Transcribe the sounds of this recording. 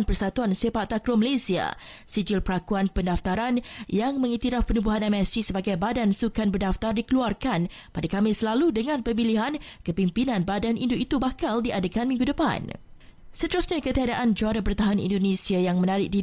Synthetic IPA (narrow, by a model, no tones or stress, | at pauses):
npərsat̪uansefaʔt̪akɾoməlasia̰ | sid͡ʒilpəɾakuanpəndaft̪aɾanjaŋmə̃ŋit̪iɾafpənubuɦanɛmɛsisəbaɡajbadansukanbərdaft̪ardikəluarkan | padakamɪslaludəŋãnpəmiliɦankəpimpinãnbadanʔindoit̪ubakaldiʔadakanmĩŋɡudəpa̰n | sət̪əɾusɲakət̪iadaʔand͡ʒuaɾapərt̪aɦanḭ̃ndonẽsiajaŋmə̃naɾɪk̚di